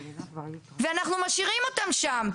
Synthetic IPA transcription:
veanaχnumaʃiʁimo̞t̪amʃam

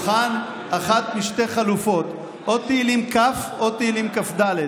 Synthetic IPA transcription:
χan | aχat̪miʃte̞χalufo̞t̪ | ʔot̪eilimkafo̞t̪eilimkafd̪ale

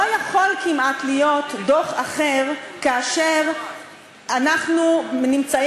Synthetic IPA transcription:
ojaχolkimʔatlijo̞tdo̞χaχeʁkaːʃeʁ | anaχnunimt͡sa

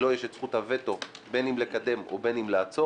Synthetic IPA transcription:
lo̞jeʃet͡sχuthave̞to̞be̞nimlekad̪e̞mo̰be̞nimleat͡so

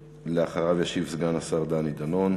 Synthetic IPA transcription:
leaχaʁavjaʃivsɡanasaʁd̪anid̪ano̞n

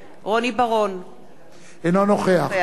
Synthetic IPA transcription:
ʁonibaʁon | enanoχea

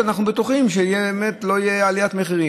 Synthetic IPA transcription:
anaχnubet̪uχimʃeijebeːmet̪lo̞ijealijat̪meχiʁi

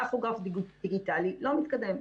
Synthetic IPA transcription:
aχuɡafd̪iɡutiɡit̪alilomit̪kad̪ɛm

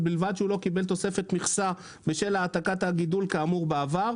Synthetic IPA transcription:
bilvad̪ʃeulo̞kibe̞lt̪o̞se̞fet̪miχsa | beʃelaːt̪akat̪haɡid̪ulkaːmuʁbeavaʁ

